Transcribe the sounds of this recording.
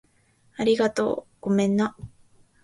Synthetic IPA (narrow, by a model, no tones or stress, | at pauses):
aɾʲiɡat̪o̞̰ːɡ̥o̞mẽ̞nːa